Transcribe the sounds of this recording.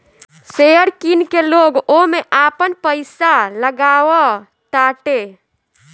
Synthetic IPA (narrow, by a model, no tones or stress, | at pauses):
sejəɾkinkeloɡomeʔaːpənpəɪsaləɡaːwə | ʈaːʈe